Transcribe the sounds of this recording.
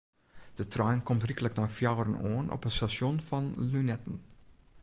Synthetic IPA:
d̥ətrajnkɔmtrikələknafjawəɾənoənʔɔ̰pənstasjɔnfɑnlynɛtən̩

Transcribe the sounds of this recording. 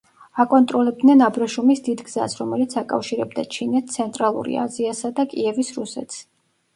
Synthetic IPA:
akʼɔnt̪ʼɾɔlɛb̚d̪nɛnabɾaʃumisd̪id̪ɡza̰sɾɔmɛlit̪sʰakʼa̰fʃiɾɛb̚d̪at͡ʃʰinɛt̪̚t̪sʰɛnt̪ʼɾalˠṵɾḭa̰ziasad̪akʼiɛvisɾusɛ̰t̪ʰs

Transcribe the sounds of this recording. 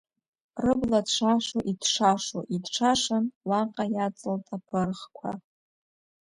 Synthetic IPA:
rɨbladʂʷʰaʃoʔidʂʰaʂo̰ʔidʈ͡ʂʰaʂanwaqʼajat͡sʼɨltʼapʰɨrχkʷʰa̰

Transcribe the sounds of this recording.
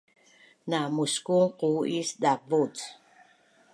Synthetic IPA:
namuskuŋquisdabut͡s

